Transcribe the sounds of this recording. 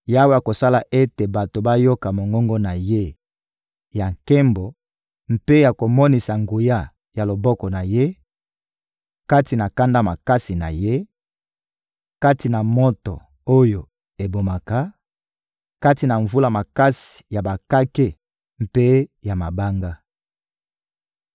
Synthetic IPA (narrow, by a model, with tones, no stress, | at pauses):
ja˦wja˨ko˨sa˦la˨ʔe˦te˨ba˨to˨ba˦jo˦ka˨mo˨ŋɡɔ˦ŋɡɔ˦na˨je˦ | ja˨ŋkɛ˦mbɔ˨ | m̩pe˦ja˨ko˨mɔ˦ni˨sa˨ŋɡu˨ja˦ | ja˨lo˨bɔ˦kɔ˨na˨je˦ | ka˦ti˨na˨ka˦nda˦ma˨ka˦si˨na̰˨je˦ | ka˦ti˨na˨mɔ˦tɔ˨ | o˦jo˨ | e˨bo˨ma˨ka˦ | ka˦ti˨na˨ɱvu˦la˦ma˨ka˦si̥˨ja˨ba˨ka˦ke˦ | m̩pe˦ja˨ma˨ba˦ŋɡa˦